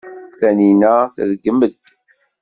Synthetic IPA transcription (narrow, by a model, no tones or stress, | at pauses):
θæninæθə̰ðəɡːəməd̪